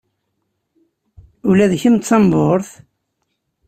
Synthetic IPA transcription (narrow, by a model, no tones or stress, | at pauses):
ʊlæðçəmt̪t͡sːɑmboɾθ